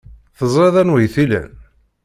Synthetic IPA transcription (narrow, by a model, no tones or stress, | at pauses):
θəzˤɾeðˤænwijθilæ̰n